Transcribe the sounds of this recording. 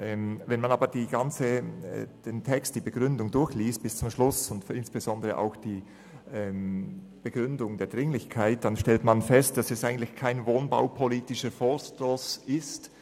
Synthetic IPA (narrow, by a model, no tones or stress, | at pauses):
ʔɛːmvɛnmanaːbədiːɡant͡səɛ̰d̥entʰɛkstd̥iːbəɡ̥ʁʏndʊŋdʊɾçliːst̚b̥ɪst͡sʊmʃlʊsʊntɪnsb̥əzɔndəʁəʔa̰ʊxd̥iː | ʔɛm | b̥əɡ̥ʁʏndʊŋdeːɐd̥ʁɪŋlɪçkʰaɪt̚d̥anʃtɛltmanfɛst̚d̥asɛsʔaɪɡn̩tlɪçkʰaɪnvoːnba̰ʊpʰoliːtɪʃəfɔːstosɪst